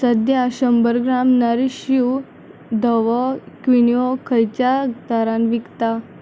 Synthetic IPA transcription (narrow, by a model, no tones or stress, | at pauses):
səd̪jaɕəmbəɾɡɾamnaɾiɕu | d̪əʋɔkʋiniɔkʰəjt͡ɕat̪aɾãnʋikt̪a